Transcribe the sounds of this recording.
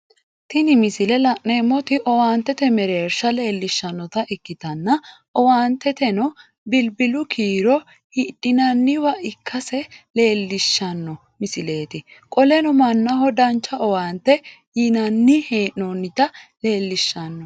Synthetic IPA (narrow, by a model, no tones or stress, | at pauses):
t̪ɪnɪmɪsɪlɛlɐʔneːmːɔt̪ɪʔɔwaːnt̪ːɛt̪ɛmɛɾe̞ːɾʃɐle̞ːlːɪʃːɐnːɔt̪ɐʔɪkːɪt̪ɐnːɐ | ɔwaːnt̪ːɛt̪ɛnɔ | bɪlbɪlʊkʰiːɾɔ | hiᶑɪnɐnːɪwɐʔɪkʰːɐsɛle̞ːlːɪʃːɐnːɔ | mɪsɪle̞ːt̪ɪkʼɔlɛnɔmɐnːɐɦɔd̪ɐnt͡ʃːɐʔɔwaːnt̪ːɛ | jɪnɐnːɪhe̞ːʔɔnːɪt̪ɐle̞ːlːɪʃːɐnːɔ